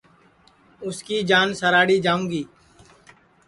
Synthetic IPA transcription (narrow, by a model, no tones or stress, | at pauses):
ʊskiːd͡ʒaːnsəɾaːɽiːd͡ʒaːʊ̃ːŋɡiː